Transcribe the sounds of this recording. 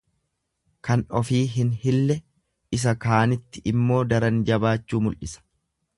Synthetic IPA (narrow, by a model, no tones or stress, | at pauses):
kɐnɔfiːɦɪnhɪlːɛ | ʔɪs̬ɐkaːnɪt̪ːɪʔɪmːo̞ːd̪ɐɾɐnd͡ʒɐbaːt͡ʃːuːmʊlʔɪsɐ̥